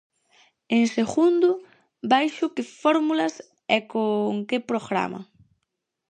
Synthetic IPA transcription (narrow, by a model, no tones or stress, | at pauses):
ẽŋseɣund̪ʊ | bajʃʊkɪfɔɾmulɐs | ɛkoŋkɪpɾoɣɾa̰mɐ̰